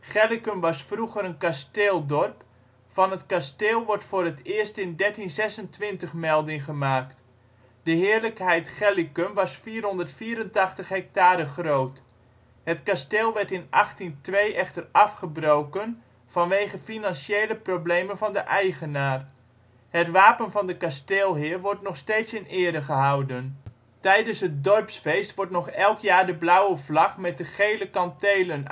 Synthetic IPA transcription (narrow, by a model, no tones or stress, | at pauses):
χɛlikəmʋɑsfruχəɾənkasteːlˠdɔrp | fɑnɦətkasteːlˠʋɔrtfʊːrətɪːɹstɪndɛɹtinzɛsəntʋɪntəχmɛlˠdɪŋχəmaːkt | d̥əɦɪːəɹləkɦɛjtχɛlikəmʋɑsfiːrɦɔndərtfiːɾəntɑχtəχɦɛk̚taːɾəχrowt | hətkasteːlˠʋɛɹtɪnʔɑχtintʋejʔɛχtərɑfχəbrowkən | v̥ɑnʋejχəfinɑnʃejləproblejmənvɑndəʔɛjχənaːr | hətʋaːpənvɑndəkasteːlˠɦɪːrʋɔrtnɔχstejtsɪnɪːɾəχəɦʌwdən | tɛjdənsɦət̚dɔrpsfejstʋɔɹtnɔχɛlˠkjaːɹdəblawəvlɑχmɛt̚dəχejləkɑntejlən